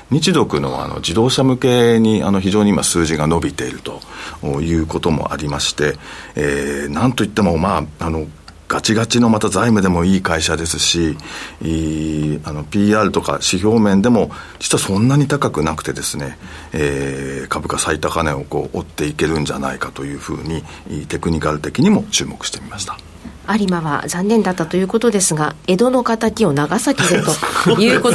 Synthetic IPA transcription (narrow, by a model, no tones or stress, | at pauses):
ɲ̟it͡ɕid̪o̞kɯ̟no̞̰βa̰a̰no̰d͡ʑid̪o̞ːɕamɯ̟ke̞ɲ̟ia̰no̞çiʑo̞ːɲ̟iima̰sɨːʑiɡano̞bʲit̪e̞iɾɯ̟t̪o̞̥ːjɯ̟ːko̞t̪o̞mo̞̰ʔa̰ɾʲimaɕi̥t̪e̞enãnt̪o̞it̪ːe̞mo̞maːano̞ɡ̥at͡ɕiɡat͡ɕino̞mat̪azaimɯ̟d̪e̞mo̞iːkaiɕad̪e̞sɨɕi | ano̞pʲiːaːɾɯ̟t̪o̞ka̰ɕiço̞ːmẽ̞nd̪e̞mo̞ | d͡ʑi̥t͡sɨβasõ̞nːaɲ̟it̪akakɯ̟nakɯ̟̥t̪e̞d̪e̞sɨne̞eːkabɯ̟kasait̪akane̞o̞ko̞̰ːʔot̪ːe̞ike̞ɾɯ̟̃ɲ̟d͡ʑa̰na̰ikat̪o̞jɯ̟ːɸɯ̟̰ːɲ̟i | t̪e̞kɯ̟ɲ̟ikaɾɯ̟t̪e̞kʲiɲ̟imo̞t͡ɕɨːmo̞kɯ̟̥ɕi̥t̪emʲimaɕi̥t̪ḁ | aɾʲimaβa̰zãnːẽ̞nd̪at̪ːat̪o̞jɯ̟ːko̞t̪o̞d̪e̞sɨɡae̞d̪o̞no̞kat̪akʲio̞naɡasakʲid̪et̪o̞jɯːko